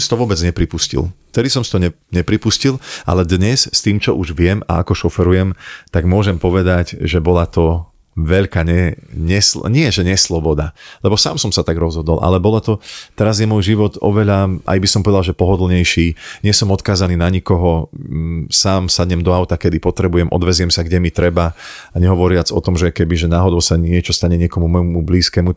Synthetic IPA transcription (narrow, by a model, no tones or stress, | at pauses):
msi̥t̪ɔʋʊɔbɛd͡zɲɛpɾipuscḭlˠft̪ɛd̪isɔmsi̥t̪ɔɲɛ | ɲɛpɾipuscilˠʔa̰lɛd̪ɲɛsst̪iːmt͡ʃɔʔuʒʋɪɛma̰akɔʃɔfɛɾujɛmt̪aɡmʊɔʒɛmpɔʋɛd̪aɟʒɛbɔlat̪ɔ | ʋɛʎkaːɲɛɲɛslɲɪɛʒɛɲɛslɔbɔd̪alɛbɔsa̰ːmsɔmsat̪aɡɾɔzɦɔd̪ɔlˠʔa̰lɛbɔlat̪ɔt̪ɛɾazjɛmɔjʒiʋɔt̪ɔ̰ʋɛʎaʔa̰jbisɔmpɔʋɛd̪alˠʒɛpɔɦɔd̪l̩ˠɲɛjʃiːɲɪɛsɔmɔt̪kaːzaniːnaɲikɔɦɔ | saːmsad̪ɲɛmd̪ɔaʊt̪akɛd̪ipɔt̪ɾɛbujɛmʔɔ̰d̪ʋɛzjɛmsaɡɟɛmit̪ɾɛbaaɲɛɦɔʋɔɾɪad͡zɔt̪ɔmʒɛkɛbiʒɛnaːɦɔd̪ɔʊsaɲɪɛt͡ʃɔst̪aɲɛɲɪɛkɔmumɔjmubliːskɛːmu